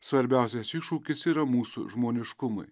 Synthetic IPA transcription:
sʋɐɾʲbʲæˑʊsʲɛsiʃuːkʲɪsiːɾɐmuːsṵʒmoːnʲɪʃkʊmɐ̰ɪ

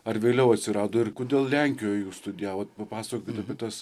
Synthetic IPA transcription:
ɐrʋʲeːlʲɛʊɐt̪ʲsʲɪɾɑːd̪oːɪrkoːd̪ʲeːlˠlʲæŋʲkʲɪjoːjjuːst̪ʊd̪ʲɪjæːʋɐt̪pɐpɑːsɐkokʲɪt̪ɐpʲɛt̪ɐs

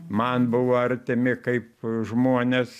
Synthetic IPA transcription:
mɐnbʊʋoːɐɾʲt̪ʲɪmʲɪkɐɪp̚ʒmuɔnʲes

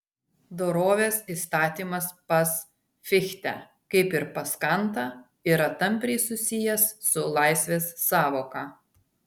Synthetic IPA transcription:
d̪oːɾoːʋʲeːsist̪ɑːt̪ʲiːmɐspɐs | fʲɪxʲt̪ʲæ̰ | kɐɪpɪɾpɐskɐnt̪ɐ | ɪɾɐt̪ɐmʲpʲɾʲɛɪsʊsʲɪjɛsːʊlˠɐɪsʲʋʲeːsːɑːʋoːkɑː

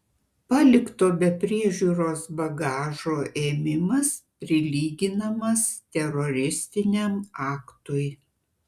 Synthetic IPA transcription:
pɑːlʲɪkt̪oːbʲɛpʲɾʲiɛʒʲuːɾoːsbɐɡɑːʒoːʔeːmʲɪmɐspʲɾʲɪlʲiːɡʲɪnɐmɐst̪ʲɛɾɔɾʲɪsʲt̪ʲɪnʲɛmɑːkt̪ʊj

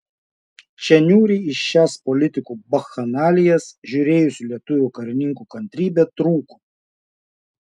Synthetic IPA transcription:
t͡ʃʲɛnʲuːɾʲiːɪʃʃæːspɔlʲɪt̪ʲɪkuːbɐxɐnɑːlʲɪjɛsʒʲuːɾʲeːjʊsʲʊlʲiɛt̪ʊʋʲʊːkɐɾʲɪnʲɪŋkuːkɐnʲt̪ʲɾʲiːbʲet̪ɾuːku̥

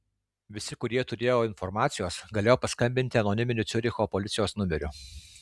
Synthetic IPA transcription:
ʋʲɪsʲɪkʊɾʲiɛt̪ʊɾʲeːjoːɪnfɔɾmɑːt̪sʲɪjoːsɡɐlʲeːjoːpɐskɐmʲbʲɪnʲt̪ʲɪɐnɔnʲɪmʲɪnʲʊt̪sʲʊɾʲɪxoːpɔlʲɪt̪sʲɪjoːsnʊmʲɛɾʲʊ

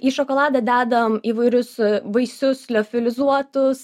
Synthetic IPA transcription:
iːʃɔkoːlˠɑːd̪ɑd̪ʲæːd̪ɐʋmiːʋɐɪɾʲʊsbɐɪsʲʊslʲoːfʲɪlʲɪzuɔt̪ʊs

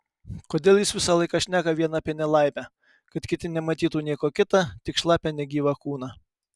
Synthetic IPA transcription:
koːd̪ʲeːlˠjɪsʋʲɪsɐlˠɐɪkɑʃʲnʲæːkɐʋʲiɛnɐpʲiɛnʲɛlˠɑɪpʲæ | kɐt̪kʲɪt̪ʲɪnʲɛmɐt̪ʲiːt̪uːnʲiɛkoːkʲɪt̪ɐt̪ʲɪkʃlˠɑːpʲɛnʲɛɡʲiːʋɑkuːnɑː

